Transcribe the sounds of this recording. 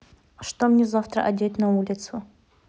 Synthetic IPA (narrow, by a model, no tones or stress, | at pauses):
ʂt̪omnʲezaft̪ɾə̰ʔɐd̪ʲet̪nɐulʲɪt̪sʊ